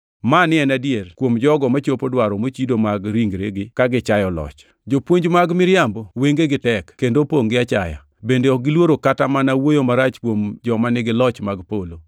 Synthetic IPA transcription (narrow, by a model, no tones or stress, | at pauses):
manɪɛnadjerkwomd͡ʒɔɡɔmat͡ʃopodwaɾɔmot͡ʃidomaɡɾiŋɡɾeɡɪkaɡɪt͡ʃajɔlɔ̰t͡ʃ | d͡ʒopwoɲd͡ʒmaɡmɪɾjamboweŋɡeɡɪtɛkkendopoŋɡɪat͡ʃaja̰ | bendeɔɡɪlwoɾokatamanawojomaɾat͡ʃkwomd͡ʒɔmanɪɡɪlɔt͡ʃmaɡpolo